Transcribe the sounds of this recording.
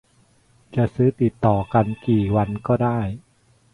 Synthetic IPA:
t͡ɕa˨˩ʔsɯː˦˥t̪i˨˩t̪ːɔː˨˩ka˧nkiː˨˩wa˧nkɔː˥˩daː˥˩j

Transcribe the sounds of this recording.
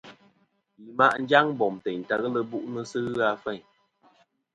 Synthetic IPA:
li˨ma˦ʔn̩˦d͡ʒa˦ŋ˦bɔ˨mtɛ˨n̩˨ta˨ɣə˦lə˦bu˦ʔnə˦sɨ˦ɣa˦fɛ˦˨ɲ

